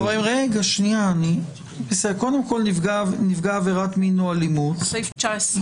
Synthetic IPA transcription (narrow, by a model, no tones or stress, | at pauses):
vimʁeɡaʃnijaːni | meseko̞d̪emko̞lɡanivɡaːveʁatminoalimutft͡ʃas